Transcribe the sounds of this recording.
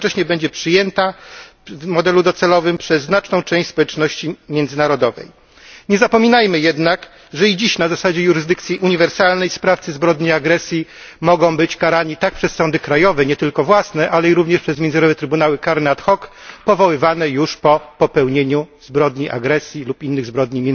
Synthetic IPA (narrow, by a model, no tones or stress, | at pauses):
t͡ʂɛɕɲɛbɛɲd͡ʑɛpʂɘjɛnt̪a | vmɔd̪ɛlud̪ɔt̪sɛlɔvɘmpʂɛzːnat͡ʂnɔ̃w̃t͡ʂɛ̃w̃ɕt͡ɕʲspɔwɛt͡ʂnɔɕt͡ɕimʲjɛnd̪zɘnaɾɔd̪ɔvɛ̰j | ɲɛzapɔmʲinajmɘjɛd̪nak | ʐɛid͡ʑiɕnazasad͡ʑɛjuɾɘzd̪ɘk̚t̪sʲjiʔuɲivɛɾsalnɛjspɾaft̪sɘzbɾɔd̪ɲiaɡɾɛsʲjimɔɡɔ̃w̃bɘt͡ɕkaɾaɲit̪ak̚pʂɛsːɔnd̪ɘkɾajɔvɛɲɛt̪ɘlkɔvwasnɛʔalɛiɾuvɲɛʂpʂɛzmʲjɛnzɾɔvɛt̪ɾɘbunawɘkaɾnat̪xɔk | pɔvɔwɘvanɛjuʂpɔpɔpɛwɲeɲuz̥bɾɔd̪ɲiʔa̰ɡɾɛsʲjilupinːɘɣzbɾɔd̪ɲimʲjɛn